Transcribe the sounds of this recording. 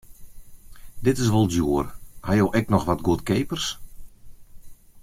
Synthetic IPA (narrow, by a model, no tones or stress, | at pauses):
dɪtɪs̬ʋɔlˠdjuːərhajowʔɛk̚nɔxʋɔtɡuətkeːpərs